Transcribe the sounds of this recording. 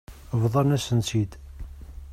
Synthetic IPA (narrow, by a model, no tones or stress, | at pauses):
vðˤɑnæsənt͡sid̪